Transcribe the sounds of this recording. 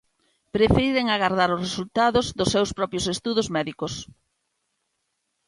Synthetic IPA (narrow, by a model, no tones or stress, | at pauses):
pɾefeɾiɾeŋaɣaɾðaɾʊsresult̪aðʊzðʊsːewspɾɔpɾjosest̪uðozmɛðikos